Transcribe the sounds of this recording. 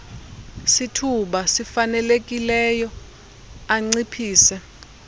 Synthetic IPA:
sitʰuɓasifanɛlek̬ʼilɛjɔ | aŋ͡ǀipʰiːsɛ

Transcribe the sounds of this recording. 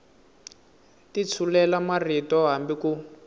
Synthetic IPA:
tit͡sʰulɛlamaritɔɦambiku

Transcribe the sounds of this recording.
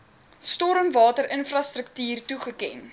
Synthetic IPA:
stɔɾəmvɑːtəɾənfrɑstrək̚tyːrtuχəkɛ̰n

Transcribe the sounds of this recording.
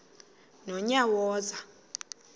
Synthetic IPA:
nɔɲawɔːza

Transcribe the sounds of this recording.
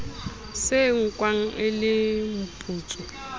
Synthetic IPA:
sɪŋ̩kʼwaŋ̩ʔɪlɪm̩pʼuːt͡sʼɔ

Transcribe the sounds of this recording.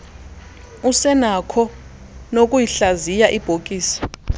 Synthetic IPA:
usɛnakʰɔ | nok̬ʼujiɬazijaʔib̥ʱokʼiːsḁ

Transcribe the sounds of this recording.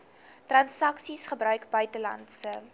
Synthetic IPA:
trɐnsɐksisχəbrœɥkbœɥtəlɐ̰ntsə

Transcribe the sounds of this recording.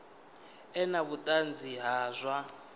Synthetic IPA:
ɛnaβutʼand͡ziɦaːzʷwa

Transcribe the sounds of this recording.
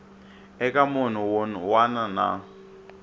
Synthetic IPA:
ɛkʼamʊn̤ʊwʊnwanana̰

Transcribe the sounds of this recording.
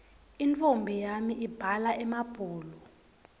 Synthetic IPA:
int͡fombʱijamiʔib̥ʱalaʔɛmab̥ʱuːlɔ

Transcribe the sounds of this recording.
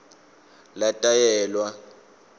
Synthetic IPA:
latʼajɛːlwa

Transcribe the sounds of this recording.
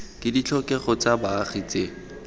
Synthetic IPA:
kʼɪdit͡ɬʰɔkɛχɔt͡sabaːχit͡se

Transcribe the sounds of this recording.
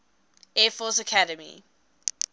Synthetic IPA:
ɛːfɔˑsəkʰaɾəmḭ

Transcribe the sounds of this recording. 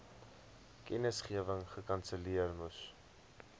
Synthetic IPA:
kɛnəsχiəvəŋχəkɐnsəliərmus

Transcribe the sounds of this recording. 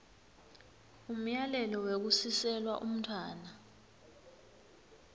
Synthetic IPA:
um̩jalɛlɔwek̬usisɛlwa̰ʔṵm̩tʰwaːna

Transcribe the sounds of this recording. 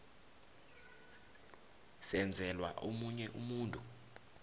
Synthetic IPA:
sɛnd͡zʱɛlwaʔomuɲɛʔumuːntʼu

